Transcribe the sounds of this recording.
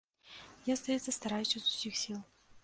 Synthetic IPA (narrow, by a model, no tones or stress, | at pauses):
jast̪ɐjɛt̪sːəst̪ɐɾajuɕɪzʊ̥sʲixsʲilˠ